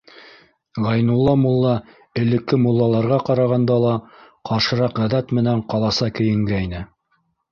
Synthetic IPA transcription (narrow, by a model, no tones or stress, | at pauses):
ʁɑjnulˠːɑmulˠːɑ | ɘ̆lɘ̆kːɘmulˠːɑlˠɑɾʁɑqɑɾɑʁɑnd̪ɑlˠɑ | qɑʃɤ̆ɾɑqʁæðæt̪mɘ̆næɴqɑlˠɑsɑkɘ̆jɘ̆ŋɡæjnɘ